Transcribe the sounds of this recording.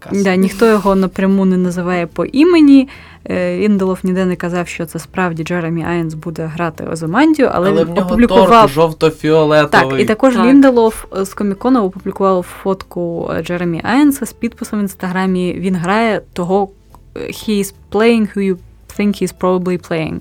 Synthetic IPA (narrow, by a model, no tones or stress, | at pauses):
d̪ɑnʲixt̪ɔjɔɦɔnɐpɾʲɐmunɛnɐzɪʋɑjɛpɔʔimenʲi | ʋʲind̪elˠɔwnʲid̪ɛnɛkɐzɑwʃt͡ʃɔt̪sɛspɾɑwdʲid͡ʒɛɾemʲiɑjɐnsbud̪ɛɦɾɑt̪ɪ̰ɔ̰zɐmɑnʲdʲijʊʔɐ̰lˠɛʋinɔpublʲikʊʋɑwʒɔwt̪ɔfʲiɔlˠɛt̪ɑit̪ɐkɔʒʲind̪elˠɔwskɔmʲikɔnɔɔpublʲikʊʋɑwwfɔt̪kʊd͡ʒɛɾemʲiʔɑjɐnsɐspʲid̪̚pɪsɐminst̪ɐɦɾɑmʲiʋʲinɦɾɑjɛt̪ɔɦɔ | xʲiz̥plˠejɪŋhujʊ | θɪŋkhiːz̥pɾɔbɐblʲˠiplˠejɪ̰̃ŋ